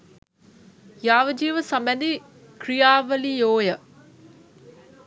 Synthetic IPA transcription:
jaːʋəd͡ʒiːʋəsambɛnd̪i | krijaːʋəlijoːjə

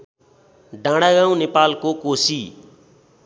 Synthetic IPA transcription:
ɖãɽaɡãw̃nepalkokosi

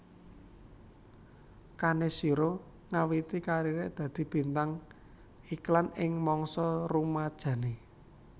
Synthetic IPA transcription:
kanesiɾo | ŋawit̪ikaɾiɾeʔd̪̥ä̤d̪̥i̤b̥i̤nt̪aŋ | iklanɪŋmɔŋsɔrumad̥ʒ̥ä̤ne

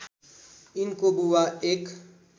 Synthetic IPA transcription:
ɪnkobuwaeːk

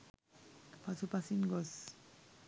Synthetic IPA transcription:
pat͡sʰupasinɡɔs

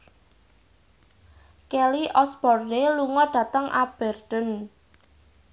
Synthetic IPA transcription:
kɛliʔɔsbɔrneluŋɔɖ̥ä̤t̪əŋʔab̥ɛrd̪̥ən

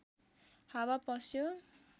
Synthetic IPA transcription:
hawapʌsjo

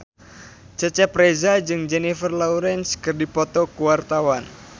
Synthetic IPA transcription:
t͡ʃət͡ʃɛpɾɛzad͡ʒɨŋd͡ʒɛnifərlɔuɾɛnskɨrdipɔt̪ɔkuwart̪awan

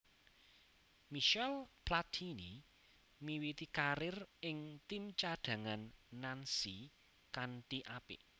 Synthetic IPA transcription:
miʃɛlplat̪ʰini | miwit̪ikaɾɪrɪŋt̪imt͡ʃaɖ̥a̤ŋanːansi | kanʈiʔapɪ̰

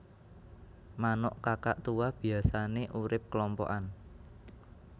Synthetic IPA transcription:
manɔʔkaka̰ʔt̪uwab̥i̤asaneʔuɾɪp̚kəlɔmpɔ̰ʔan

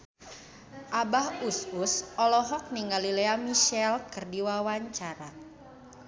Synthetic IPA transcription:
ʔabahususɔlɔɦɔk̚niŋɡalileamiʃɛlkɨrdiwawaɲt͡ʃaɾa

